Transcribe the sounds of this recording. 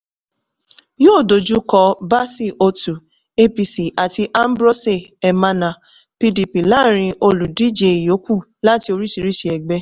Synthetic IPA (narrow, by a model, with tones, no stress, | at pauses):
joː˦˨do˨d͡ʒu˦kɔ˧ba˦si˦˨ʔo˧tu˨ | e˦pi˧si˨ʔa˨ti˧˦ʔa˦m̩˦bɾo˦se˦˨ɛ˨mã˧nã˨ | pi˧di˨pi˨la˦ɾ̃ĩ˧ʔo˧lu˨di˦d͡ʒe˧i˨jo˨˦ku˦˨ | la˦ti˧o˧ɾi˦ʃi˧ɾi˦ʃi˨ɛ˨ɡ͡bɛ˦